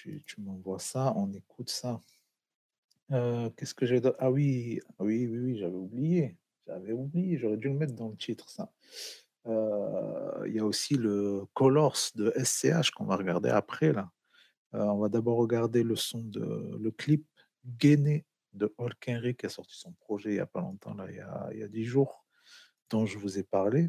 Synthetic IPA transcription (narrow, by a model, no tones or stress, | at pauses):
t̪ḭt̪ʰymɑ̃vwasaɔ̃nekʰut̪sa | økɛskəʒavɛd̪ʔawiawiwiwiʒavɛublije | ʒ̥a̰vɛublijeʒɔʁɛd̪yləmɛt̪χd̪ɑ̃lət̪ʰit̪χsa | ø | ḭljaosiləkɔlɔʁsd̪əʔɛsːeaʃkɔ̃vaʁəɡaʁd̪ḛapχɛla | øɔ̃vad̪abɔʁːəɡaʁd̪eləsɔ̃d̪ə̰ləklip̚ | ɡene | d̪əɔlkʲɛ̃ʁikʲiasɔʁt̪i̥sɔ̃pχɔʒɛilja̰palɔ̰̃t̪ɑ̰̃la̰ḭlja̰ḭlja̰d̪iʒuːʁ | d̪̥ɔ̃ʒəvuzepaʁle